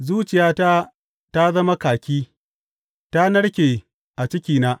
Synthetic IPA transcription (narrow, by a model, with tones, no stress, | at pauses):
zuː˦t͡ʃɪ˨jaː˦ta˦ | ta˦zɐ˦ma˦kaː˨kʲiː˦ | ta˦nɐ˦ɽkʲeː˨ | ʔa˨t͡ʃɪ˦kʲiː˨naː˦